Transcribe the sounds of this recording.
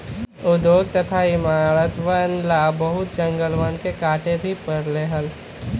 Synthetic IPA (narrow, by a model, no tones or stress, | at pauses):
ʊd̪joɡ̚t̪ət̪ʰaɪmaːɾət̪ʋənlabəɦʊt̪̚d͡ʒə̃ŋɡəlʋənkekaːʈebʱipəɾleɦəl